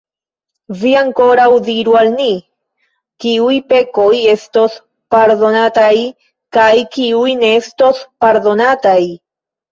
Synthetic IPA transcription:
viaŋko̞ɾawdiɾualni | kiujpe̞ko̞je̞sto̞s | paɾdo̞nataj | kajkiujne̞esto̞spaɾdo̞nataj

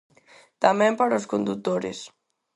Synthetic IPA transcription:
t̪amempaɾoskond̪ut̪ːoɾḛs

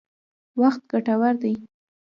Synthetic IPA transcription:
waxt̪̚ɡaʈawaɾd̪aj

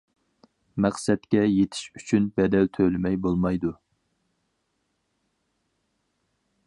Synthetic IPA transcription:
mæqsɛt̪kʲɛjet̪ʰɪ̥ʃyt͡ʃʰynbɛd̪ɛlt̪ʰølɪmɛjbolˠmɑjd̪u

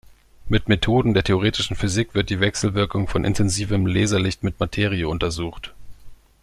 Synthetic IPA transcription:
mɪtmetʰoːdn̩deːɐtʰeoʁ̞eːtɪ̥ʃn̩fyzikv̥ɪɐt̚d̥iːvɛksl̩vɪɐkʊŋfɔnʔɪ̰ntʰɛnziːvəmleːzɐlɪçtmɪtmatʰeːʁiəʊntɐzuːxt

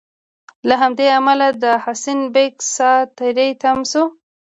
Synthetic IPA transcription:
laɦamd̪eamalad̪əhasinbeksɑt̪aɾejt̪amsu

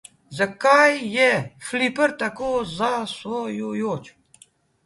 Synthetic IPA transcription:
zakajːɛflipəɾt̪akoːzaswojujoːt͡ʃ

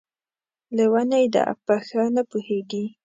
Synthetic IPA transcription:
lewanajd̪ə̰ʔa̰paxanapuheɡi

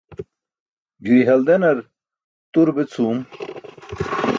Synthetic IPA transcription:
d͡ʑuiɦɐld̪enɐɾ | t̪uɾbet͡sʰuːm

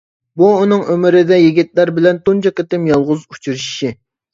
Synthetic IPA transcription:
buːnɨŋømɪɾɪd̪ɛjiɡʲit̪̚læɾbɪlɛnt̪unt͡ʃɑkʲet̪ɪmjɑlˠʁʊzut͡ʃʰuɾʃi

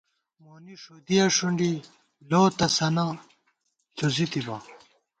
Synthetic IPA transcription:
moːniʂod̪ijɐʂuɳɖi | loːt̪ɐsɐna | ɬozit̪ibɐ̰

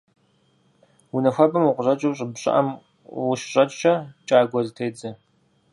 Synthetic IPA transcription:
winɐxʷɐbɐmuqʷʊɕɐt͡ʃʼɐwɕʼɪbɕʼɪ̰ʔɐ̰m | wʊʃɕʼɐt͡ʃʼɕɐt͡ʃʼaːɡʷɐzɨtʰejd͡zɨ

